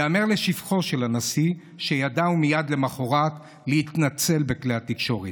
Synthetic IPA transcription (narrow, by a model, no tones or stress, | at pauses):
ameʁle̞ʃifχo̞ʃelanasi | ʃejad̪aumijad̪le̞maχo̞ʁat̪ | lehit̪nat͡se̞lbekleat̪ːikʃo̞ʁi